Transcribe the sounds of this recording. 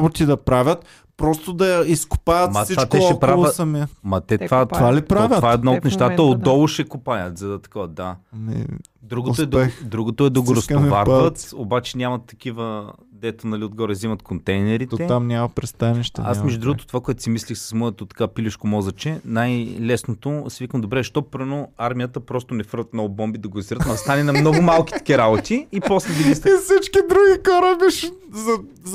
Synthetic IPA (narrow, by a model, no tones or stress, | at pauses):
bot̪id̪ɐpɾavʲət̪ | pɾɔst̪od̪ɐjiskʊ̥pajɐt̪mɐsivt͡ʃatk̪ɛʃɔɛkɾoalvˠʊsɐmimɐt̪ɛt̪vat̪valipɾaavʲətvaɛd̪naot̪nɛʃʃt̪at̪əod̪ːɔlˠoʃɛkʊpajɐt̪zɐd̪ɐt̪ɐ̥kɔvɐd̪amɛ̰ | d̪ɾuɡost̪ɛd̪ɐɛd̪ɾuɡot̪oɛd̪ɐɡoɾɐsmivaɾaət̪obat͡ʃɛnʲamɐt̪ːɐ̥kivəd̪ɛt̪onɐliod̪̚ɡɔɾɛzimɐt̪kont̪ɛjnɛɾiɛt̪amnʲamɐpɾɛst̪anɛʃt̪ɐ̰a̰smɛʒd̪ʊd̪ɾuɡot̪o̥t̪ovakoɛt̪ʊ̥simislixsɐ̥smɔɛt̪ot̪ɐ̥kapiliʃkomɔzɐt͡ʃɛnajlɛsnot̪osivikəmd̪obɾɛʃt̪ɔpɾnoaɾmijət̪əpɾɔst̪onɛfəɾvət̪mnɔvʊbɔmbid̪ɐɡoziɾət̪mɐd̪ɐst̪anɛnɐmnɔɡʊmalˠkʲi̥tɐɐ̥kʲiɾabot̪iːpɔslɛd̪ɐɡist̪ifsit͡ʃkid̪ɾuɡʲixɔɾəbiʃ | zɐ